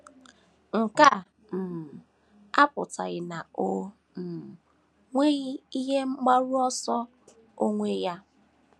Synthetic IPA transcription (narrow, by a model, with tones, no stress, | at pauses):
ŋ̩˨ka˦˨ | m̩˨ | a˦pʊ̰˨ta˨ɣɪ˨na˨o˦ | m̩˨ | ŋʷe˦ɣi˦i˦ɦe˦ŋ͡m̩˦ɡ͡ba˦ɾu˦ɔ˦sɔ˦ | o˦ŋʷe˦ja˦